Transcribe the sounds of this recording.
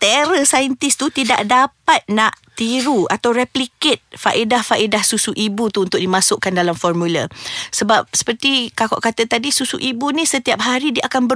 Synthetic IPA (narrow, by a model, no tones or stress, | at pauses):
t̪eɾəsajənt̪ist̪ut̪ida̰ʔdapat̪̚nãʔt̪iɾuat̪awɾɛpliket̪̚faʔidahfaʔidahsusuʔibut̪uːnt̪ʊk̚ʔdimãsʊʔkandalamfɔrmũləsəbap̚sə̥pərt̪ikakɔ̰ʔkat̪ət̪adisusuʔibunĩsət̪iap̚ɦaɾidiəʔakanbə